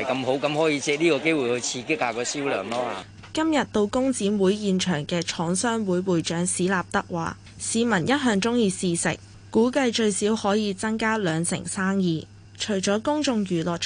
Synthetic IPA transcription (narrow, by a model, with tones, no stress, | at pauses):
jkɐ˧mɦo˨˥wkɐ˨˧mhɔː˨˥jiː˨˧t͡sɛ˧˥liː˥kɔː˧ke˥jwuː˨˩jhɵ˨˧jt͡sʰiː˧kɪ˥k̚ːaː˧kɔː˨˧siː˥wlœ̰ː˨˩ŋlɔː˥a̰ː˨˧ | kɐ˥mjɐ˨t̚t̪o˧wkʊ˥ŋt͡siː˨˥nwuː˨˥jjiː˨˧nt͡ʃʰœː˨˩ŋkɛː˧t͡ʃʰɔː˨˥ŋsœː˥ŋwuː˨˥jwuː˨jt͡ʃœː˨˥ŋsiː˨˥laː˨p̚t̪ɐ˥k̚wa̰ː˨ | siː˨˧mɐ˨˩njɐ˥t̚ɦœː˨˧ŋt͡sʊ˥ŋjiː˧siː˨sɪ̰˨k̚ | kːuː˨˥kɐ˧jt͡ʃɵ˧ɥsiː˨˥whɔː˨˥jiː˨˧t͡sɐ˥ŋkaː˥lœː˨˧ŋsɪ̰˨˩ŋsaː˥ŋjiː˧ | t͡ʃʰɵ˨˩jt͡ʃɔː˨˥kʊ˥ŋt͡sʊ˧ŋjyː˨˩lɔː˨